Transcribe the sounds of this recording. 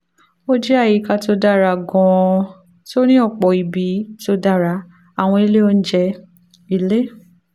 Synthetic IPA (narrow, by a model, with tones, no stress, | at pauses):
o˦d͡ʒɛ˦a˦˨ji˨˦ka˧to˧da˦˨ɾa˧˨ɡɔ̃˧ | to˦nĩ˦ɔ˦˨k͡pɔ˨i˨bi˨˦to˧da˦˨ɾa˧ | a˨w̃ɔ̃˧i˧le˦o˦n̩˦d͡ʒɛ˧ | i˧le˦